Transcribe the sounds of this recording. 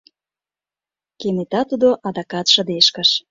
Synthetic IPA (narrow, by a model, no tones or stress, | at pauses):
kemet̪ɑt̪ud̪oʔɑd̪ɑkɑt̪ʃə̆d̪eʃkə̆ʃ